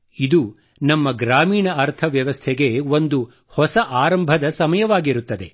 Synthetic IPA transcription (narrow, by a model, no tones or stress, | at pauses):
id̪uː | nɐmːɐɡɾaːmiːɳɐɐɾt̪ʰɐʋjɐʋɐst̪ʰeɡe̞ʋo̞nd̪u | hɔsɐʔaːɾɐmbʱɐd̪ɐsɐmɐjɐʋaːɡiɾut̪ːɐd̪e̞̰